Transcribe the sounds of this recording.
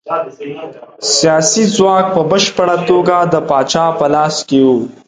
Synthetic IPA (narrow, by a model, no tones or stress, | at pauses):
sijɑsizwɑk̚pəbəʃpəɽat̪oɡad̪əpɑːt͡ʃɑpəlɑːskewu